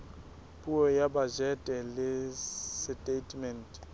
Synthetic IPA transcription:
pʼuɔjabad͡ʒɛtʼɛlɪstʼetʰʼmɛntʼ

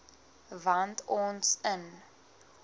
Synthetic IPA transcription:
vantʰɔ̃ːnsən

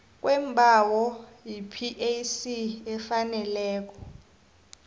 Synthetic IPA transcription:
k̬ʼwʔɛmbʱawɔjipʰiʔesiɛfanɛlɛːk̬ɔ̥

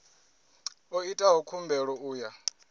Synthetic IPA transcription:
oitʼaɦɔkʰumbʱɛɺɔuːja

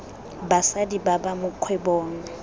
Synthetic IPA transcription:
basadibabamʊkʰwɛbɔːŋ̩

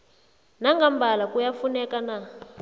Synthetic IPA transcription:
naŋɡambʱalakujafunɛkana

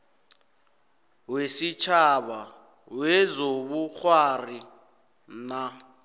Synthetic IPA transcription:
wesit͡ʃʰaβa | wezoβuk͡xʰwari | na

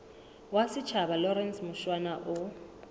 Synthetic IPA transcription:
wasɪt͡ʃʰabalɔɾɛnsmʊʃwanaʔʊ

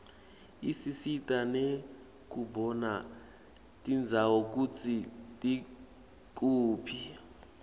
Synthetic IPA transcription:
isisitʼane | k̬ubɔna | tʼind͡zʱawɔk̬ut͡sʰitʼi | k̬ʼuːpʰi

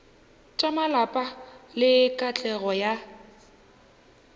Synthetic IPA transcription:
t͡ʃʼamalapʼalɪkʼat͡ɬʼɛɣɔja

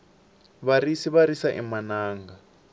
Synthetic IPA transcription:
βarisiβaɾisaʔḭmanaːŋɡa

